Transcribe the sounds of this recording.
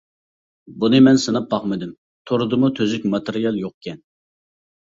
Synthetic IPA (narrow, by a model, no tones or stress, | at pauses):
bunɨmɛnsɨnɑp̚bɑχmɨd̪ɪm | t̪ʰoɾʊd̪ɨmut̪ʰøzɪkʲmɑt̪ɨɾijɑlˠjoqkʲʰɛn